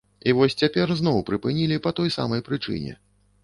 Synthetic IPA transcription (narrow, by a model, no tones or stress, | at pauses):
ivɔsʲt͡sʲapʲɛrzn̪ɔwpɾɨpɨnʲilʲipɐt̪ɔjsa̰mɐjpɾɨt͡ʂɨ̰nʲɛ̰